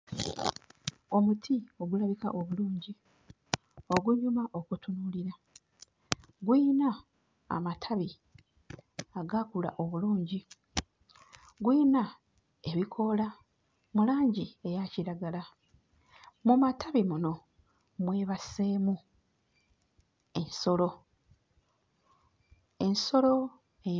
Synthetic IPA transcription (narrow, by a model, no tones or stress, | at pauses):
o̞mutʰio̞ɡulaβika̰ʔoβuluːɲɟi | o̞ɡuɲumaʔo̞kutunuliɾa | ɡwiːna | a̰matʰaβi | aɡakula̰ʔo̞βuluːɲɟi | ɡwiːna | e̞βikʰo̞la | mulaːɲɟie̞jaciɾaɡala | mumatʰaβimuno̞ | mwe̞ːβasemu | e̞nso̞lo̞ | e̞nso̞lo̞ | e